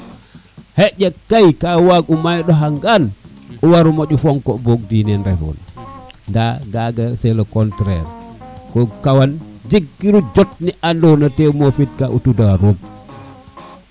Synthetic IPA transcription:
hɛɟakajkawaɡumajɗɔɦaŋɡanuwaɾumaɟufɔŋkɔboɡ̚dinɛnɾɛfɔ̰nndaɡaɡasɛlɔkɔntɾɛ̰ɾkɔkawand͡ʒiɡːiɾud͡ʒɔt̚niʔandɔwnatɛmofit̚kaʔutudaɾom̚

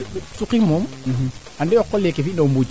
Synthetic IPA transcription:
sukimɔm̩ | andɛjɔkːɔlekefindaumbut͡ʃ

